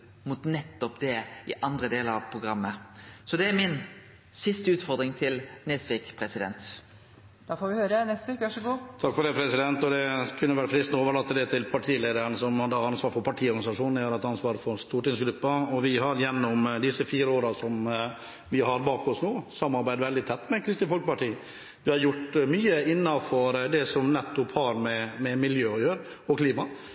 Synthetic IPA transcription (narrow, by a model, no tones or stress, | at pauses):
mʊt̪nɛt̪ːɔpd̪ɛɪʔɑnd̪ɾəd̪eːləɾɑʋpʰɾʊɡɾɑmːəsɔd̪ɛæɾmɪn | sɪst̪əʉːt̪fɔɾd̪ɾɪŋt̪ʰɪlnesʋɪkpʰɾɛsɪd̪ɛ̰nt̪ | d̪̥ɑfoːɾʋɪhøːɾənɛst̪əʋekʋæʂəɡuːt̪ʰɑkːfɔɖɛɪpʰɾɛsɪd̪ɛnt̪ɔd̪ɛkʰʉnːəʋæʈfɾɪst̪noːʋəɭɑt̪ːəd̪ɛt̪ʰɪlpʰɑʈʰiːleːd̪əɾəɳəsɔmɑd̪ɑɑnsʋɑːɾfɔɾpʰɑʈʰiːɔɾɡnɪsɑʂuːnnjøɾɛt̪ɑnsʋɑːɾfɔɾst̪uːʈɪŋsɡɾʉpːɑɔʋɪɦɑɾjɛnːʊmd̪ɪsːəfiːɾəoːɾɑsɔm | ʋɪɦɑɾbɑːkɔsnuːsɑmːɑɾbæɪd̪ʋɛld̪ɪt̪ʰɛt̪ːmɛkʰɾɪst̪ɪfɔlkəpɑʈiː | ʋɪhɑɾjʊʈːmyːəɪnːɑfɔɾd̪ɛsɔmnɛt̪ːʊphɑɾmɛmɛmɪljøːɔjøːɾ | ɔkʰliːmɑ